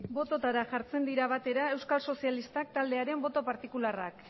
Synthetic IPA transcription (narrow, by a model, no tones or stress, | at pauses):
bo̞t̪o̞t̪aɾaʝaɾt͡se̞nd̪iɾaβ̞at̪e̞ɾae̞wskalso̞sialist̪ak̚t̪ald̪e̞aɾe̞mbo̞t̪o̞paɾt̪ikularak